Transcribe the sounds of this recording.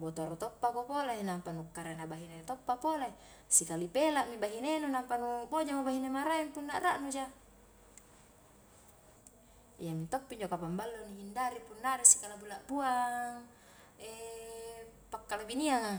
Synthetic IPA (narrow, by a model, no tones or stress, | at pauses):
bot̪oɾut̪opːakopolainampanukːaɾenabaɦinet̪opːapolae | sikalipelaʔmibaɦinenunampanubod͡ʒamobaɦinemaɾaimpunːaʔɾaʔnud͡ʒa | ijamint̪opːiɲd͡ʒokapambalːonihindaɾipunːaɾesi̥kalabulaʔbuaŋ | ɛ | pakːalabiniaŋa